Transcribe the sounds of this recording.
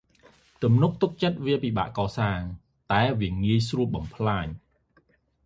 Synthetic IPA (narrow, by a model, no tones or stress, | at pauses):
t̪umnuk̚t̪uk̚t͡ɕət̪̚ʋiəpiːɓa̰ːʔkɑːsaːŋ | t̪aɛʋiəŋiəjsruəl̚ɓɑmpʰlaːɲ